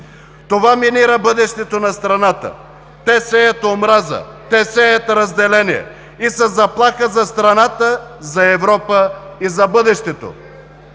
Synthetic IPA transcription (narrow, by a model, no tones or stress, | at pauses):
t̪ovaminiɾəbɤd̪ɛʃt̪ɛt̪onɐst̪ɾɐnat̪ə̰ | t̪ɛsɛjɐt̪omɾazə̰ | t̪ɛsɛjɐt̪ɾɐzd̪ɛlɛniɛ̰ | isɐzɐplˠaxəzɐst̪ɾɐnat̪əzɐɛvɾɔpəizɐbɤd̪ɛʃt̪ɛt̪o̰